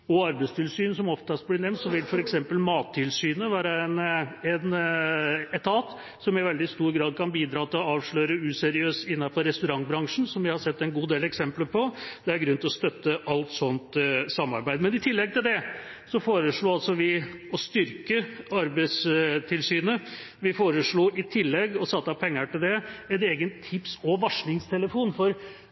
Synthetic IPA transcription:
ɔɑɾbæɪst̪ʰɪlsyːnəsɔmɔft̪ɑst̪b̪ɪnɛmnsɔʋɪlfɔɾɛksɛmpəlmɑːt̪ʰːɪlsyːnəʋæːɾəɛnɛn | ɛt̪ʰɑːt̪ | sɔmɪʋɛld̪ɪst̪uːɾɡɾɑːd̪̚kʰɑnbiːd̪ɾɑːt̪ʰɪlɔɑːʋʂɭøːɾəʉːsɛɾɪøːsɪnːɑfɔɾːɛst̪ʉɾɑŋbɾɑŋʂn̩sɔmʋɪhɑsɛt̪ːɛnɡuːd̪eːlɛksɛmpləɾpʰɔd̪̥ɛæɾɡɾʉnt̪ɪlɔst̪œt̪ːəʔɑlt̪sɔnt̪sɑmːɑ̰ɾbæɪd̪mɛnɪt̪ʰɪlːɛɡ̚t̪ʰɪld̪ɛsɔfoːɾəʂɭuːɑlsɔʋɪɔst̪ʏɾkəɑɾbæɪst̪ʰɪlsyːnə | ʋɪfoːɾəʂɭuːʔɪt̪ʰɪlːɛɡɔsɑt̪ːəɑpʰɛŋːəʈɪld̪ɛɛt̪eːɡənt̪ʰːɪpsɔʋɑʂɳɪŋst̪ʰɛləfuːnfɔɾ

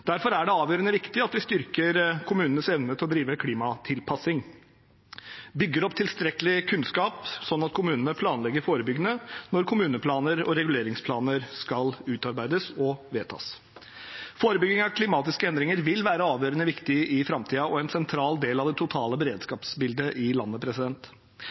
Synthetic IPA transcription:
d̪̥æɾfɔɾæɖɛɑːʋjøːɾənəʋɪkt̪ɪɑt̪̚d̪ɪst̪ʏɾkəɾkʰʊmʉːnənəsɛʋnət̪ʰɪlɔd̪ɾiːʋəkʰliːmɑt̪ʰɪlpʰɑsɪŋ | bʏɡːəɾɔpːt̪ʰɪlst̪ɾɛkəlɪkʰʉnskɑːpsɔnːɑt̪̚kʰʊmʉːnənəpʰlɑːnlɛɡːəɾfoːɾəbʏɡənənɔɾkʰʊmʉːnəpʰlɑːnəɾɔ̰ɾɛɡʉleːɾɪŋspʰlɑːnəɾskɑlʉːt̪ɑɾbæɪd̪əsɔʋeːt̪ʰɑ̰ːs | foːɾəbʏɡɪŋɑʋkʰlɪmɑːt̪ɪskəɛnd̪ɾɪŋəɾʋɪlʋæːɾəɑːʋjøːɾənəʋɪkt̪ɪʔɪfɾɑmt̪ʰiːɑɔɛnsɛnt̪ʰɾɑːld̪eːlɑʋd̪ɛt̪ʰʊt̪ʰɑːləbɛɾeːd̪skɑːpsbɪld̪əʔɪlɑnːəpʰɾɛsɪd̪ɛnt̪

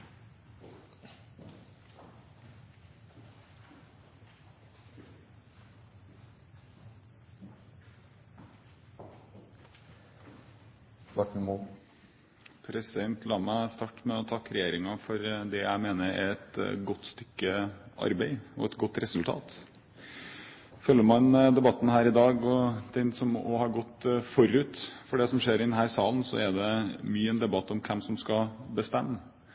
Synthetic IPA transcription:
ʋɑʈɳ̩mu | pʰɾɛsɪd̪ɛnt̪ʰlɑːməæst̪ɑːʈmɛɔt̪ʰɑkɾɛjeːɾɪŋɑfɔɾd̪ɛjæ̰ɪmeːnəɾæ̰ɾɛt̪ɡɔt̪ːst̪ʏkːəʔɑ̰ɾbæɪɔ̰ɛt̪ɡɔt̪ːɾɛsʉlt̪ʰɑ̰ːt̪ | fœlːəɾmɑnd̪ɛbɑt̪ːn̩ɦæːɾɪd̪ɑːɡɔd̪̥ɛnsɔmɔhɑɾɡɔt̪ːfɔɾʉːt̪fɔɖɛsɔmʂeːɾɪd̪ən̩ɦæːɾsɑːlən̩sɔ̰æd̪ɛmyːəɛnd̪ɛbɑt̪ːɔmkʰɛmsɔmskɑbəst̪ɛmːə

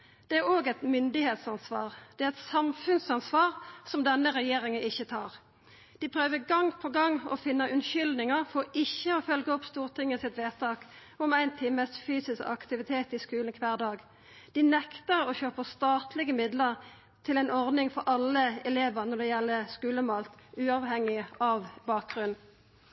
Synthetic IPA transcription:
d̪̥ɛæɾoːɡɛt̪mʏnd̪ɪheːt̪sɑnsʋɑ̰ːʁd̪̥ɛæʁɛt̪sɑmfʉnsɑnsʋɑːʁsɔmd̪ɛnːəɾɛjeːɾɪŋənʔɪçːət̪ʰɑːʁ | d̪̥ɪpʰɾøːʋəɡɑŋːpʰɔɡɑŋːɔ̰fɪnːɑʔʉnʃʏld̪nɪŋəʁfɔɾɪçːəɔfœlɡəɔpst̪uːʁt̪ʰɪŋːəsɪt̪ʋeːt̪ʰɑːk | ɔmæɪnt̪ʰɪməsfyːsɪskɑkt̪ɪʋɪt̪ʰeːt̪ɪskʉːlnkʰʋæːʁd̪ɑːɡ | d̪̥ɪnɛkt̪əɾɔçøːpəʁst̪ɑːt̪ʰlɪɡəmɪd̪ləʁ | t̪ʰɪlæɪnɔʁd̪nɪŋfɔɾʔɑlːəɛleːʋəʁnɔd̪ɛjɛlːəskʉːləmoːlt̪ʉːɑʋhɛŋːɪɑʋbɑːk̚ɡʁʉn

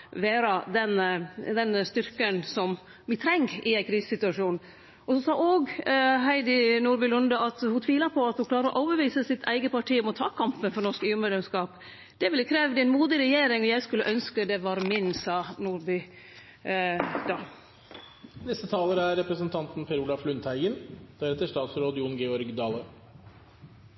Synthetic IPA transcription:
ʋeːɾɑd̪ɛnd̪ɛnst̪ʏɾkənsɔm | ʋɪt̪ʰɾɛŋɡɪæɪkʰɾiːssɪt̪ʉɑʂuːn | ɔsɔsɑːʔoːɡɦæɪd̪ɪnuːɾbʏlʊnd̪ɑʔɑt̪hʊt̪ʰʋiːləɾpʰɔɑt̪hʊnklɑːɾəɾɔ̰ʔoːbəʋiːsəsɪt̪ʰæ̰ɪɡəpɑʈʰiːɔmɔt̪ʰɑːkʰɑmpənfɔɾnɔʂkyːəɾmɛːd̪lɛmskɑːp | d̪̥ɛʋɪlːəkʰɾeːʋd̪ɛnmuːd̪ɪɾɛjeːɾɪŋɔjæɪskʉlːəʔœnskəd̪ɛʋɑːɾmɪnsɑːnuːɾbʏ | d̪̥ɑː | nɛst̪ət̪ʰɑːləɾæɾɾɛpɾəsənt̪ʰɑnt̪npʰɛɾuːlɑflʉnt̪ʰhæɪɡənd̪̥æɾɛt̪ːəʂt̪ɑːt̪sɾoːd̪ɪʊnɡɛɔɾɡd̪ɑːlə

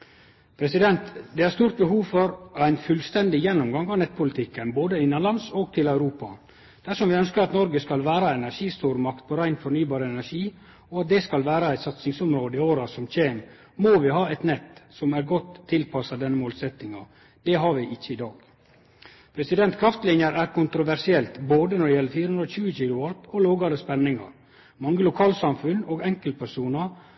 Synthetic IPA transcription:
pʰɾɛsɪd̪ɛnt̪d̪ɛhæɾst̪uːɾt̪̚bəɦuːʋfɔɾæɪnfʉlst̪ɛnd̪ɪjɛnːʊmɡɑŋɑʋnɛt̪̚ːpʊlɪt̪ʰɪkːənboːd̪əɪnːənlɑnsoːɡ̚t̪ʰɪlæʉɾuːpɑ | d̪̥æʂɔmʋɪœnskəɾɑt̪nɔɾɡəskɑlʋæːɾɑɛnæɾʂiːst̪uːɾmɑkt̪̚pʰɔɾæɪnfɔɾnyːbɑːɾəɛnæʂiː | ɔɑt̪̚d̪ɛskɑlʋæːɾɑæɪt̪sɑt̪sɪŋsʊmɾoːd̪əɪoːɾɑsɔmc͡çeːn | moːʋɪhɑːɛt̪nɛt̪ːsɔmæɾɡɔt̪ʰːɪlpʰɑsɑd̪ɛnːəmoːlsɛt̪ːɪŋɑ | d̪̥ɛɦɑʋɪʔɪçːəɪd̪ɑːɡ | pʰɾɛsɪd̪ɛnt̪kʰɾɑft̪lɪnjəɾæːɾkʊnt̪ɾʊʋæɾʂɪɛlt̪boːd̪ənɔɖ̪ɛɪjɛlːəɾfiːɾəʉnɾɔçʉːəçiːlʊɑlpɔloːɡɑɾd̪əspɛnːɪŋɑ̰ɾ | mɑŋːəlʊkʰɑːlsɑmfʉnoːɡɛŋkəlt̪̚pʰæɾʂuːnɑ

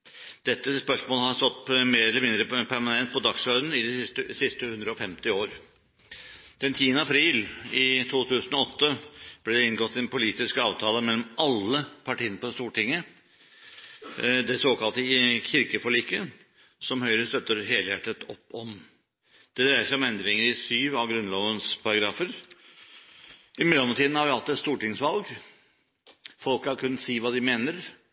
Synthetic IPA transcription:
d̪̥ɛt̪ːəspœʂmoːləhɑst̪ɔt̪ːpmeːɾɛlːəmɪnd̪ɾəpʰæɾmɑnɛnt̪̚pʰɔd̪ɑksœʏd̪n̩ɪd̪ɛɪst̪əsɪst̪əhʉnd̪ɾəɔfɛmt̪ɪoːɾ | d̪̥ɛnt̪ʰiːənəɑpʰɾiːlɪt̪ʰuːt̪ʰʉːsənɔɔt̪ːəb̥lɛd̪ɛɪnɡɔt̪ːɪɛnpʰʊliːt̪ɪskɑːʋt̪ʰɑːləmɛlːɔmʔɑlːəpʰɑʈiːənəpɔst̪uːʈɪŋːə | d̪ɛsoːkʰɑlt̪əçɪɾkəfɔɭiːkə | sɔmhœʏɾəst̪œt̪ːəɾɦeːləjæʈːət̪ʰɔpːɔm | d̪̥ɛd̪ɾæɪəʂæɪɔmɛnd̪ɾɪŋəɾɪsyːʋɑʋɡɾʉnloːʋənspʰɑɾɑɡɾɑːfəɾ | ɪmɛlːɔmt̪ʰiːd̪n̩hɑɾʋɪɑlt̪ːɛt̪st̪uːʈɪŋsʋɑlɡ | fɔlkhɑɾkʰʉnːət̪siːʋɑːd̪ɪmeːnəɾ

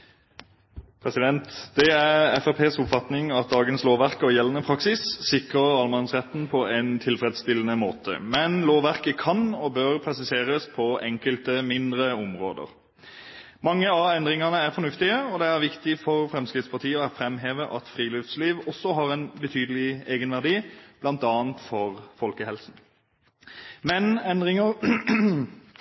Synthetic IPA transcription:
pʰɾɛsɪd̪ɛnt̪d̪̥ɛæʁɛfɛpʰeːsʊpfɑt̪nɪŋɑt̪̚d̪ɑːɡənsloːʋæʁkəɔjɛlənəpʰɾɑksɪsːɪkʁəʁɑlmɑnsʁɛt̪ːn̩pʰɔæɪnt̪ʰɪlfɾɛːd̪st̪ɪlənəmoːt̪ʰə̰mɛnloːʋæʁkəkʰɑnɔbøʁpʰʁɛsɪseːʁəspʰɔʔɛŋkəlt̪əmɪnd̪ʁəɔmʁo̰ːd̪ə̰ʁ | mɑŋːəɑɛnd̪ʁɪŋɑnəæʁfɔnʉft̪ɪəɔd̪ɛæʁʋɪkt̪ɪfɔʁfɾɛmskʁɪt̪spɑʁt̪ʰiːəɔæfɾɛmɦeːʋəʔɑ̰t̪fʁiːlʏfsliːʋɔsːɔɦɑʁɛnbət̪ʰyːd̪əlɪeːɡənʋæʁd̪iːb̥lɑnt̪ɑːənt̪fɔʁfɔlkəhɛlsn̩ | mɛnɛnd̪ʁɪŋəʁ

